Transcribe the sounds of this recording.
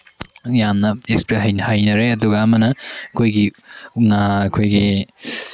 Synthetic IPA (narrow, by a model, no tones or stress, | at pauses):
jamnɐekspɾeɦɐjnɐhajnɐɾeɐduɡɐɐmɐnɐɐkʰojɡiuŋaɐkʰojɡi